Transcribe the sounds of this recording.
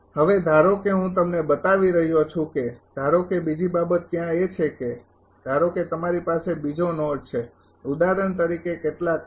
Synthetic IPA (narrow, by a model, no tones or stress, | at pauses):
həʋed̪ʱaɾokeɦũt̪əmnebət̪aʋiɾəɦjot͡ʃʰũked̪ʱaɾokebid͡ʒibabət̪̚ːjãet͡ʃʰeke | d̪̥ʱaɾoket̪əmaɾipasebid͡ʒonɔɖt͡ʃʰe | ud̪aɾəɳt̪əɾikekeʈla